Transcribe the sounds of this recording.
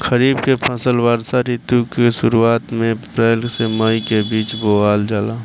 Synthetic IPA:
xəɾiːbkepʰãsəlwaːɾsaɾit̪ukeʃʊɾuaːt̪mẽpɾɛːlkseməikebiːt͡ʃboaːld͡ʒaːlaː

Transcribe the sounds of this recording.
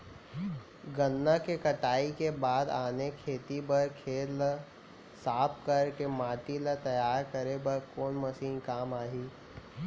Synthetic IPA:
ɡənːakekɐʈaːikebaːd̪aːnekʰeːt̪ibɐɾkʰeːl | saːpkɐɾkemaːt̪ilət̪ɐjaːɾkɐɾebɐɾkoːnmɐsiːnkaːmaːɦiː

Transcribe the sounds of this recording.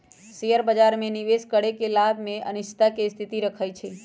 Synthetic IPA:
sijəɾbəd͡ʒaɾmẽniʋeskəɽekelabʱmẽʔənɪʃt̪akest̪ʰit̪iɾəkʰajt͡ʃʰe

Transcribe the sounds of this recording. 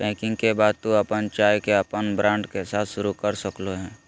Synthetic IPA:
bɛ̃ːkɪ̃ŋɡkebaːd̪̚t̪ũɐpənt͡ʃaːjkeəpənbɾãːɳɖkesaːt̪ʰʃʊɾukəɾsəkloɦɛ̃ː

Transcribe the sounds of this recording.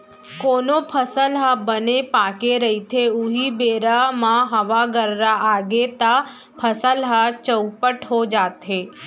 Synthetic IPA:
koːnopʰəsəlɦabənepaːkeɾəɦit̪ʰeuɦibeːɾamãɦɐʋaɡəɾɾaʔaːɡet̪a | pʰəsəlɦat͡ʃəʊpəʈɦod͡ʒaːt̪ɦeː

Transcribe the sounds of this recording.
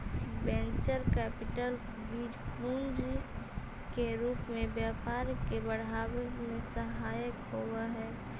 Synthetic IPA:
bɛ̃nt͡ʃəɾkɛːpɪʈəl | biːd͡ʒpund͡ʒ | keɾuːpmẽbjapaːɾkebəɽ̤aːwemẽsəɦaːjəkɦowaɦɛː

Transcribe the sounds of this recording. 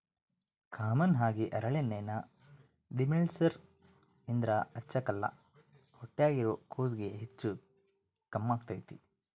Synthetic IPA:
kʰaːmɐnɦaːɡiʔɐɾɐɭenːeːnɐ | d̪imiɭsɐɾ | ind̪ɾɐɐt͡ʃːɐkɐlːɐ̰ | hoʈːejaːɡiɾoːkʰuːsɡeɦet͡ʃːu | kɐmːaːɡ̚t̪ajt̪i

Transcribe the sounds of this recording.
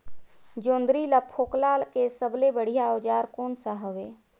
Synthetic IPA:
d͡ʒoːnd̪ɾiləpʰoːklalkesəblebəɽ̤ijaoːd͡ʒaːɾkoːnsaɦəʋeː

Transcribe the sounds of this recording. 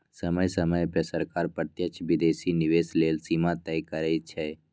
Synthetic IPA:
səməjsəməjpəsəɾkaːɾpət̪jət͡ʃʰʋɪd̪eːsinɪʋeːsleːlsimãt̪ɛjkəɾɛt͡ʃʰɛ

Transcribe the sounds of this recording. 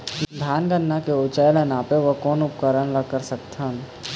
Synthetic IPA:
d̪ʱaːnɡənːakeot͡ʃəjlənaːpeʋəkɔːnʊpkəɾənləkəɾsək̚t̪ʰɦən

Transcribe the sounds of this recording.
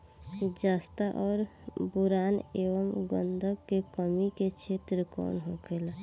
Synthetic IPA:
d͡ʒaːst̪aʔɔːɾbʊɾaːneːʋəmɡə̰nd̪ʱəkːekəmiket͡ʃʰeːt̪ɾəkɔ̰ːnɦoɡela

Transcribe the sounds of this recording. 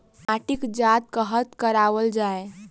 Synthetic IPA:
aʈikd͡ʒat̪̚kəɦət̪kəɾaʋəld͡ʒae

